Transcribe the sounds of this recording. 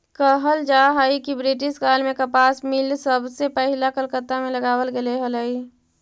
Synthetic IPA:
kəɦəld͡ʒaːɦaːikibɾɪʈ̬ɪʃkaːlmẽkɐpaːsmɪlsəbsepəɦɪlakəlkət̪ːamẽləɡaːwəlɡɐleɦələiː

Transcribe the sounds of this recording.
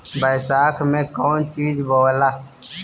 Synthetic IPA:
bəɪsaːkʰmẽkoːnt͡ʃiːd͡ʒboːlaː

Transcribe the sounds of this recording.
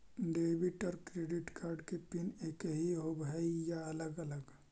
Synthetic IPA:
ɖeːbiʈɔɾkɾeːɖɪʈkaːɾɖkepineːkɦiɦobʱɦəjaɐləɡɐləɡ

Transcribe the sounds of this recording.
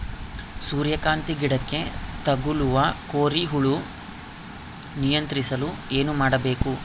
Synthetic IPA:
suːɾjɐkaːnt̪iɡiɽɐkːe̞t̪ɐɡuluʋɐkoːɾiɦuɭu | nijɐnt̪ɾisɐlue̞ːnumaːɽɐbe̞ːku

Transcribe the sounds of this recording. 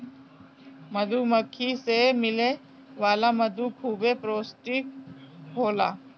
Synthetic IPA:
mɐd̪uməkʰːisemɪle | ʋaːlamɐd̪ukʰuːbepɾoːsʈɪk̚ɦoːla̰ː

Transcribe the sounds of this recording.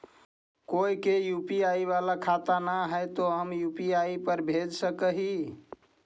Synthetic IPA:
koikejupiaiβalakʰat̪anaɦəjt̪oɦəmjupiaipəɾbʱed͡ʒsəkəɦi

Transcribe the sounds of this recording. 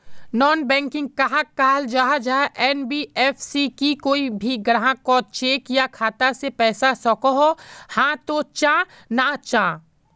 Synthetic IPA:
nɔːnbɛ̃ːŋkɪ̃ŋɡ̚kaɦakːaːɦld͡ʒaɦad͡ʒaɦʔɛːnbiɛːfʰsikikoːibʱiɡɾaɦãkɔːt͡ʃeːkjakʰaːt̪asepɛːsasɔkoɦohãːt̪ot͡ʃãː | nat͡ʃãː

